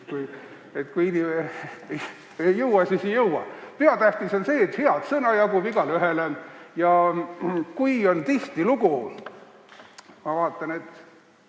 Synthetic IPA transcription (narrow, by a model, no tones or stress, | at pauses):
kuj | et̪ːkuiinime | ejɤwɑsisejɤuwwɑ̰pe̞ɑt̪æht̪iso̞nse̞ːt̪heɑd̪sɤnɑjɑkubiɡɑlyɦelejɑ | kujo̞nt̪iht̪iluɡ̥u | mɑvɑːt̪ˑːɑne̞t̪ːˑ